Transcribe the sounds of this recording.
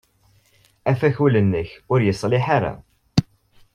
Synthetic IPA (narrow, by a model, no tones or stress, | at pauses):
æfæçulənːəçʊɾjəsˤlɪħaɾa̰